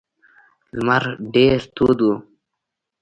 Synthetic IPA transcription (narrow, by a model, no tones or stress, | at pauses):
lmɐɾɖeːɾt̪uːd̪u